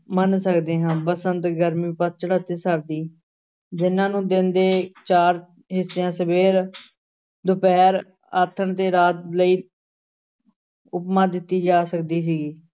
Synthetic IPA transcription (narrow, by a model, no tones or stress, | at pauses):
mənsəkd̪eːɦãːbəsənt̪ɡəɾmĩːpət̪̚t͡ʃəɽat̪eːsəɾd̪iː | d͡ʒɪnːãːnũːd̪ɪnd̪eːt͡ʃaːɾ | ɦɪsːejãːsəbeːɾ | d̪ʊpɛːɾ | aːt̪ʰːəɳt̪eːɾaːt̪ləiː | ʊpmãːd̪ɪt̪ːiːd͡ʒaːsəkd̪iːs̬iːɡiː